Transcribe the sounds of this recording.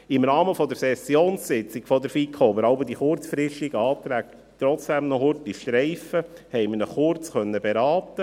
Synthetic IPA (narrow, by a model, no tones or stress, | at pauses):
ɪmɾɑːməfɔd̪əɾsɛsjoːnssɪt͡sɪɡfɔd̪əɾfikʰoːbəɾɑʊbədiχʊɾt͡sfɾɪʃiɡəɑːt̪ɾæːk | t̪ɾɔt͡sd̥ɛmnɔhʊɾtiʃtɾɛɪfəhɛɪmənəχʊɾt͡sχœnːəbeɾɑːt̪ːə